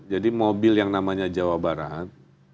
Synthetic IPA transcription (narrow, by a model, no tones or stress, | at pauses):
d͡ʒadimobɪljaŋnamaɲad͡ʒawabaɾat̪̚